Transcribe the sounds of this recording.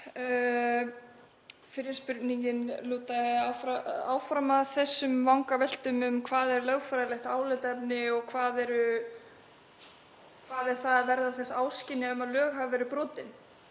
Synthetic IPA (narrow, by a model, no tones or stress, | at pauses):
fɪɾɪ̥spʏɾt̪niŋcɪnluːt̪aafɾaa̰ːwfɾamaðθɛsːʏmvawŋkavɛl̥t̪ʏmʏmkʰvaːðɛɾlœɣfaɾðalɛxt̪aːwlɛt̪ɛpnɪɔɣkʰvaːðɛɾʏ | kʰvaːðɛɾ̥θaðvɛɾðaθɛsːaaːwscɪnːɪʏmaðlœːɣɦavvɛːɾʏpɾɔːt̪ɪn